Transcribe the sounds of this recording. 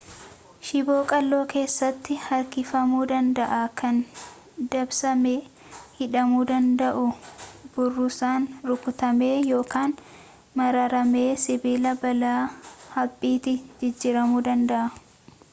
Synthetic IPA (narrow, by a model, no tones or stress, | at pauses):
ʃɪbo̞ːkʼɐlːo̞ːke̞ːsːɐt̪ːɪhɐɾkɪfɐmuːd̪ɐnd̪ɐʔaːkɐn | d̪ɐbsɐmeː | hɪᶑɐmuːd̪ɐnd̪ɐʔʊbʊrːʊsaːnɾʊkʊt̪ɐme̞ːjo̞ːkaːn | mɐɾɐɾɐme̞ːsɪbɪlɐbɐlaːhɐbʼːiːt̪ɪd͡ʒɪd͡ʒːɪɾɐmuːd̪ɐnd̪ɐʔɐ